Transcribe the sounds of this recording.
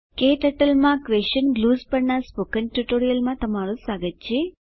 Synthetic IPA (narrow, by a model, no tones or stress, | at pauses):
keːʈ̪ɐʈɐlmaːkʋeʃɐnɡluːspɐɳːɐspokɐnʈuʈoːɾijɐlmat̪ɐmaːlusaːɡɐt͡ʃːi